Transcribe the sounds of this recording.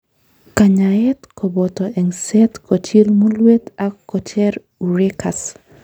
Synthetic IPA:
kaɲaɛt̪kʰɔbɔt̪ɔɛŋsɛt̪kot͡ʃilmulwet̪akːɔt͡ʃɛɾ | uɾekʰas

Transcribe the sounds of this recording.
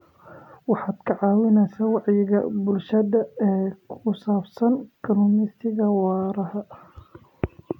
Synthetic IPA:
wɑħɑːd̪̥kʰɐʕɑːwɪnɛːsaːwɑʕjɪɣɐ̰bʊlʃɐðɐɛːkʰʊsaːbsɐnkʰɐnʊmɪst̪ɪɣɐwɑːɾɐɦɐ

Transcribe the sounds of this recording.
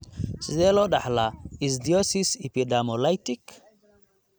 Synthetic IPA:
sizeloɗahlais̬diosisipidamolajtik

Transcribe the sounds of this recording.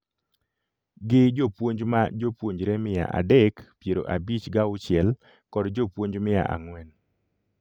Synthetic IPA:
ɡɪd͡ʒopwoɲd͡ʒmad͡ʒopwoɲd͡ʒɾemɪja̰ʔa̰dɛkpjeɾoʔabit͡ʃɡaʊt͡ʃjɛl | kɔdd͡ʒopwoɲd͡ʒmɪja̰ʔa̰ŋwɛn

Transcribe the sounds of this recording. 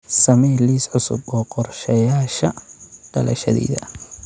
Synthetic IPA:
sɐmɛːliːsʕʊsʊ̰bɔːqɔrʃɛjaːʃɐɖ̥ɐlʔɐ̰ʃɐðɛ̰ːðɐ

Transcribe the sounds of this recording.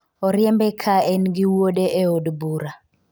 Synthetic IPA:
ɔɾjɛmbɛkʰaɛnɡɪwoɗeʔeodbuɾa

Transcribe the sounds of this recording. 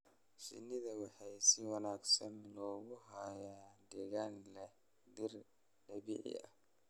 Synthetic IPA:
ʃɪ̰nːɪðɐwɑħɑjsɪwɑnaːɡsɐnɪnɔːɣʊɦajaːd̪ɛːɣaːnlɛ | d̪ɪr | ɖɐbḭːʕɪ̰ɐ̰

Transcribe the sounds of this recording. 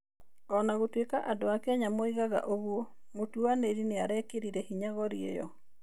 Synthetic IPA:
ɔnaɣotwekaʔadoakɛaɲamɔiɣaɣa̰ʔoɣuɔ | motuaneɾineaɾɛkeɾiɾɛhiɲaɣɔɾiḛjɔ̰

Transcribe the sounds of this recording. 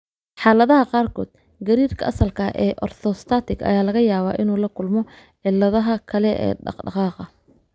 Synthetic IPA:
ħɑːlɐðɐɦɐqɑːrkʰɔ̰ːd̪̥̚ | ɡɐɾiːrkʰɐʔɐsɐlkʰɐʔɛːʔɔrt̪ʰɔst̪ʰaːt̪ʰɪɡʰɐ̰jaːlɐɣɐjaːβaːʔɪnuːlɐkʰʊlmɔ | ʕɪlːɐðɐɦɐkʰɐlɛʔɛ̰ːɖɑ̰qɖɑqɑːqɑ

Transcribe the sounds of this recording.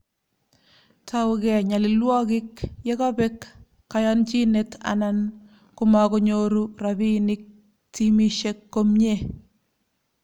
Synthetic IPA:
tʰawɡɛɲalɪlwɔkɪkjekabɛkː | ajɔnt͡ʃinetʰa̰nan | kʊmakoɲoɾuɾabinɪk̚ | timiʃekːomɲe

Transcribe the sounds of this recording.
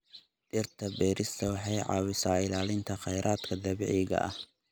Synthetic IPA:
ʔɪrt̪ʰɐbɛːɾɪst̪ʰɐwɑħɑjʕɑ̰ːwɪsaːɪlaːlɪnt̪ʰɐχɛjɾʔaːd̪̥kʰɐd̪ɐβɛ̰ʕɪɣɐ̰ʔɐ̰h

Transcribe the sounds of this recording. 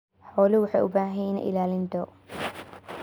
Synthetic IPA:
ħɔːlɪwʊħɑjʔʊbaːɦɛjɛn̰ʔɪ̰laːlɪnt̪ʰɔ

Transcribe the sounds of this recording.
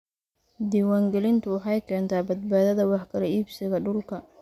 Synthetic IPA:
d̪iːwaːŋɡɛlɪnt̪ʰʊwɑħɑjkʰɛːnt̪ʰaːbɐd̪̚baːðɐðɐwɑħkʰɐlɐiːbsɪɣɐɖʊlkʰɐ

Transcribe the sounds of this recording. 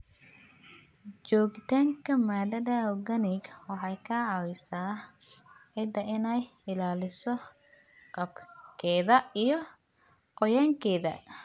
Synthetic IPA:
t͡ʃɔːɣɪt̪ʰaːŋkʰɐmaːd̪ɐdaɡɐnɪɡwɑħɑjkʰaʕɑwɪsaː | ʕɪd̪ɐʔɪnɛjɪlaːlɪsɔ | qɐbkʰɛːðɐijɞ | qɔjaːŋkʰɛːðɐ̰

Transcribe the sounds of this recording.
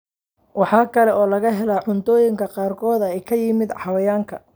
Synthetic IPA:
wɑħɑːkʰɐlɛʔɔːlɐɣɐɦɛlaːʕʊnt̪ʰɔːjɪŋkʰɐqɑːrkʰɔːd̪ɐɛjkʰɐjɪmɪd̪ħɑwɐjaːŋkʰɐ

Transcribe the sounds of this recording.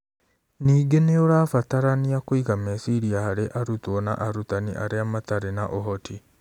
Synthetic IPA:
niːɡeneoɾaːfataɾaniakoiɣamɛsiɾiahaɾeʔaɾutwɔna̰ʔaɾutanḭʔa̰ɾeamataɾenaʔoɦɔtʰi

